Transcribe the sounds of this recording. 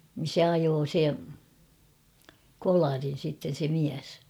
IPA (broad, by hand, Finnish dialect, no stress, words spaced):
nin̞ se ɑjoː se kolɑrin̞ sitːen̞ se miæs